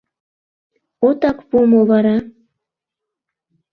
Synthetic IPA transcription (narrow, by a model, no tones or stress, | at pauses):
ot̪ɑkpumoβɑɾɑ